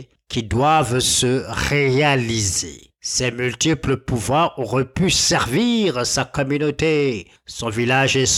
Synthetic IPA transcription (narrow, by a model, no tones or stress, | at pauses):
kʲid̪wavsəʁealizḛ | sɛmylt̪ipləpuvwaʁɔʁɛpysɛʁviʁsakɔmynot̪e | sɔ̃vilaʒes